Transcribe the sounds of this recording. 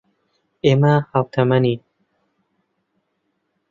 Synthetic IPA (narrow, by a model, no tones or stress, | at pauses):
eːmɐhawt̪ʰɐmɐni